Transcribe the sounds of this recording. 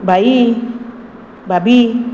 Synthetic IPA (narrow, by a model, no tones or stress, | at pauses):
bai | babi